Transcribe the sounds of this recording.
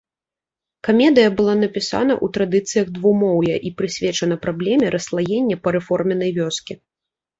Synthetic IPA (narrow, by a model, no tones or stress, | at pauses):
kamʲɛd̪ɨjɐbɨlˠan̪ɐpʲisa̰nɐ̰ʔut̪ɾad̪ɨt̪sɨjɐɣd̪vumɔwjɛʔipɾɨsʲvʲɛt͡ʂɐnɐpɾablʲɛmʲɛɾʔɐslˠajɛnʲːɛpɐɾɛfɔrmʲɛnɐjvʲɔskʲi